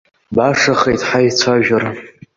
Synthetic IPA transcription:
baʂaχejtħajt͡sʷʰaʒᶣar

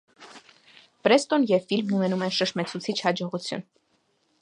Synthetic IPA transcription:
pɾɛst̪ɔnjɛvfilmnunɛnumɛnʃəʃmɛt͡sʰut͡sʰit͡ʃʰhɑd͡ʒɔʁut͡sʰjṵn

